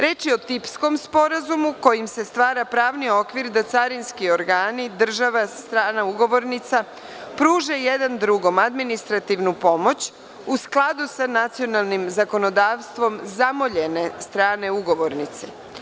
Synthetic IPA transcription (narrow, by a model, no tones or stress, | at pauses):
ɾe̞ːt͡ʃio̞t̪ipsko̞mspo̞ɾazumuko̞jimse̞st̪ʋaːɾapɾaːʋnio̞kʋiɾd̪at̪saɾinskio̞ɾɡaːnid̪r̩ʒaʋast̪ɾaːnauɡo̞ʋo̞ɾnit̪sa | pɾuːʒe̞je̞d̪and̪ɾuɡo̞mad̪minist̪ɾat̪iʋnupo̞mo̞t͡ɕ | usklˠad̪usanat̪sio̞nalˠnimzako̞no̞d̪aːʋst̪ʋo̞mzamo̞ʎe̞ne̞st̪ɾaːne̞uɡo̞ʋo̞ɾnit̪se